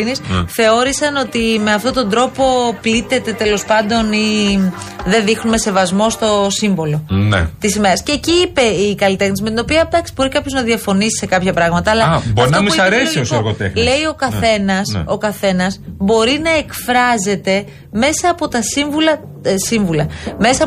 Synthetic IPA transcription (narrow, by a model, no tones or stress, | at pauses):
nisθe̞o̞ɾisɐno̞t̪ime̞ɐft̪o̞t̪o̞nd̪ɾo̞po̞plit̪e̞t̪e̞t̪e̞lo̞spɐnd̪o̞ni | ðe̞nðixnume̞se̞vɐzmo̞st̪o̞siɱvo̞lo̞nḛt̪isime̞ɾɐsceːciːpe̞ikɐlit̪e̞xnisimet̪ino̞piɐd̪ɐksi̥bo̞ɾikɐpço̞znɐðiɐfo̞nisi̥se̞kɐpçɐpɾɐɣmɐt̪ɐːlɐboɐɾit̪noɐmɐɾesoiosoɣot̪exnle̞jo̞kɐθe̞nɐso̞kɐθe̞nɐsbo̞ɾinɐe̞kfɾɐze̞t̪e̞ | me̞sɐːpo̞t̪ɐsiɱvulɐ | siɱvulɐme̞sɐ